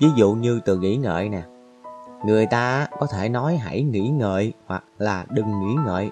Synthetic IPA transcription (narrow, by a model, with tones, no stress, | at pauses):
vi˨˦zṵ˧˨ɲɨ˧t̪ɨ˨˩ŋḭ˧˥ŋə̰ː˧˨jnɛ˨˩ | ŋɨ˨˩əjt̪aː˧a˦kɔ˨˦t̪ʰe˧˩nɔ˨˦jɦa̰˧˩jŋḭ˧˥ŋə̰ː˧˨jhwa˨˩k̚laː˨˩ɗɨ˨˩ŋːḭ˧˥ŋə̰ː˧˨j